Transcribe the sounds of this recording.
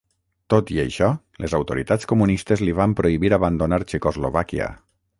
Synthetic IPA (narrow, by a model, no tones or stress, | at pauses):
t̪ot̪iə̰ʃɔ | lezawt̪oɾit̪at͡skumunist̪ezliβampɾoiβiɾaβand̪onaɾt͡ʃekozloβakia̰